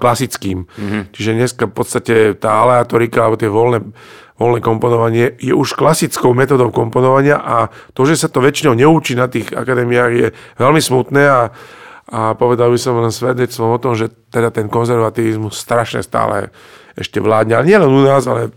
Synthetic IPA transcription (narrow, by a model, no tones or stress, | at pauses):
klasit͡skiːmt͡ʃiʒɛɲɛskafpɔt̪st̪acɛt̪aːalɛat̪ɔɾikaalɛbɔt̪ɛʋɔlnɛ | ʋɔlnɛkɔmpɔnɔʋaɲɪɛjɛʔuʃklasit͡skɔʊmɛt̪ɔd̪ɔʊkɔmpɔnɔʋaɲɪaʔat̪ɔʒɛsat̪ɔʋɛt͡ʃinɔʊɲɛuːt͡ʃiːnat̪iːɣa̰kad̪ɛmijaːɣjɛʋɛlmismut̪nɛːa | apɔʋɛd̪albisɔmlɛnsʋɛd̪ɲɛt͡st̪ʋɔmɔt̪ɔmʒɛt̪ɛd̪at̪ɛnkɔnzɛɾʋat̪iːʋizmusːt̪ɾaʃɲɛ̰st̪a̰ːlɛ̰ | ɛʃcɛʋlaːd̪ɲɛalɛɲɪɛlɛnunaːzalɛ